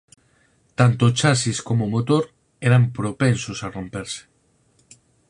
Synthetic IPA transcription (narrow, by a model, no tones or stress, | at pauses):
t̪ant̪ot͡ʃasiskomomot̪oɾ | eɾampɾopensosaro̞mpeɾse̥